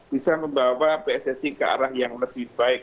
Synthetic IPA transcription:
b̥isaməmbawapeɛsɛsikəa̰ɾahjaŋləbɪhbaɪk̚

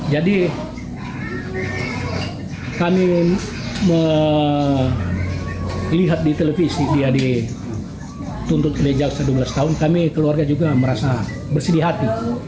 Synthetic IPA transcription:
d͡ʒadi | kami | mə | liɦat̪̚dit̪elefisidiadi | t̪unt̪ʊt̪oled͡ʒalsadubəlast̪aɦʊnkamikəluarɡad͡ʒuɡaməɾasa | bərsədiɦat̪i

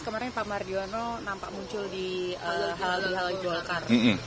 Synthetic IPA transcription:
kəmaɾɪnpamardiɔnɔnampa̰ʔmuɲt͡ʃʊldiəɦaldiɦaliɡɔlkarm̩m̩

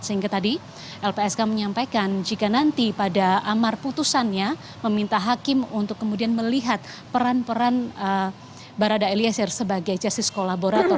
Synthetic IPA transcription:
səiŋɡat̪adi | ʔɛlpeɛskaməɲampajkand͡ʒikanant̪ipadaʔamarput̪usanja | məmint̪aɦakɪmunt̪ʊkːəmudianməliɦat̪̚ | pəɾanpəɾanə | baɾadaeliasɛrsəbaɡajd͡ʒast̪iskolaboɾat̪ɔ

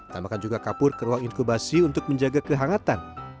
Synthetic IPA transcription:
t̪amakand͡ʒuɡakapʊrkəɾuwaŋinkubasiunt̪ʊk̚məɲd͡ʒaɡakəɦaŋat̪an

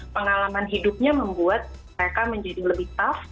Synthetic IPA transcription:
pəŋalamanɦidup̚ɲaməmbuat̪̚əɾekaməɲd͡ʒadiləbɪht̪af

